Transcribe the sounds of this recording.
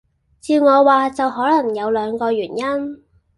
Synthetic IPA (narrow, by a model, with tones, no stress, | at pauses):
t͡siː˧wŋɔː˨˧waː˨˧t͡sɐ˨wɦɔː˨˥lɐ˨˩ŋjɐ˨˧wlœː˨˧ŋkɔː˧ɥyː˨˩njɐ˥n